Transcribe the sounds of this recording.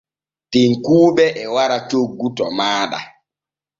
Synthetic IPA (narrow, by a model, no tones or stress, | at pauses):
tiŋkuːɓɛʔɛwaɾat͡ʃoɡːutɔmaːɗa̰